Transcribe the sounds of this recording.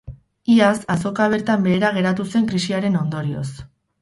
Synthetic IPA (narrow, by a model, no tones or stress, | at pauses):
iasaso̞kaβ̞e̞ɾt̪ambe̞ːɾaɣ̞e̞ɾat̪use̞ŋkɾisiaɾe̞no̞nd̪oɾio̞̰s